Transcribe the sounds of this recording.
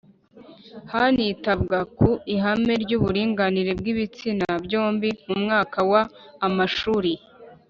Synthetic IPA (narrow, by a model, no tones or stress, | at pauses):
hanitabɡakuiɦame̞ɾɟuːβuɾiːŋɡaniɾe̞bɡiβit͡sinabɟo̞ːmbimumŋaːkawaːmaʃuːɾi